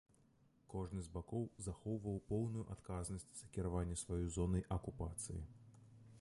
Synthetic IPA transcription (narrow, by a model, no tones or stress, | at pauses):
kɔʐnɨzʲbakɔwzaxɔwvɐwpɔwnujuʔat̪kaznɐsʲt͡sʲz̥ɐkʲiɾavanʲːɛsvajɔjzɔnɐjʔɐkupat̪sɨ̰jḭ